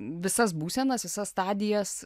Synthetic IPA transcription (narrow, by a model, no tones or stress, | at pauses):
ʋʲɪsɐs̬buːsʲɛnɐsʋʲɪsɐsst̪ɑːd̪ʲɪjɛs